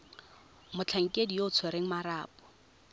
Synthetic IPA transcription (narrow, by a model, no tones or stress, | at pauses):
mʊt͡ɬʰaŋ̩kʼedijoʊt͡sʰweɾeŋ̩maɾaːpɔ̥